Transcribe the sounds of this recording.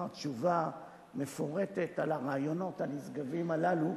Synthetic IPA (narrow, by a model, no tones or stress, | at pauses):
t͡ʃuva | me̞fo̞ʁe̞t̪et̪alaʁaːjo̞no̞thanisɡavimalalu